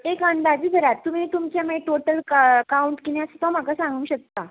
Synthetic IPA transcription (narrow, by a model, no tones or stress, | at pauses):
ekənd̪ad͡ʑiːd̪ʱəɾat̪ːum̤iːt̪umt͡ɕjameʈoʈəlkkauɳʈkiniasət̪ɔm̤akasãŋɡũːɕək̚t̪a